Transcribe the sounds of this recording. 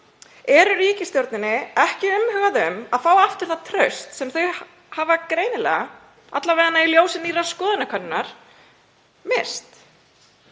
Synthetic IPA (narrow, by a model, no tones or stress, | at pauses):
ɛɾʏɾiːcɪst̪jowɾt̪nɪnːɪɛhcɪʏmhʏːɣaðʏmaðfaːwaft̪ʏɾ̥θat̪ʰɾœɥst̪sɛmθœɥ | havakɾeːjnɪlɛ̰ːɣa | a̰t̪laveːɣanːailjoːwsɪniːraskɔːðɪnakʰœnːɪnaɾ̥ | mɪ̥st̪